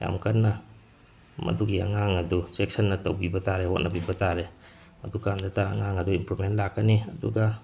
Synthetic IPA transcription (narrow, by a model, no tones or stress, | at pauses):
ja̰mkʰɐnːɐ | mɐ̰duɡiɐ̰ŋaŋɐdusek̚sɐnːɐtɐ̰wbibɐtaɾehot̚nʔɐbibɐtaɾe | mɐdukandɐtaːŋaŋɐduimpɾumentlakːɐniɐduɡa